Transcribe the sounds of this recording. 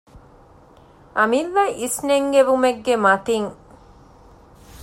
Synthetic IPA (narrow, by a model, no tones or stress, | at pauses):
ʔɐmiʋːɐʔisneŋɡeʋumeɡːemɐt̪iŋ